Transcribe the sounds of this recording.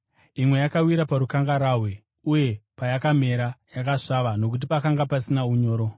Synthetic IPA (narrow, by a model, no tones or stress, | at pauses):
imwe̞jakawiɾapaɾukaŋɡaɾaːɦwe | uje̞pajakame̞ɾajakaʂaʋano̞k̬ut̬ipakaŋɡapasinauɲo̞ːɾo